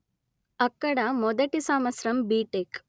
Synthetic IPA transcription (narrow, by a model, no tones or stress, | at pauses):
ɐkːɐɽamod̪ɐʈisaːmɐsɾɐmbiːʈek